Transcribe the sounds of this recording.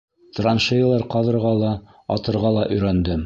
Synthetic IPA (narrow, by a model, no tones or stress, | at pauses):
t̪ranʃĕjlˠɑɾqɑðɤ̆ɾʁɑlˠɑ | ɑ̰t̪ɤ̆ɾʁɑlˠɑʔɵ̆jɾænd̪ɘm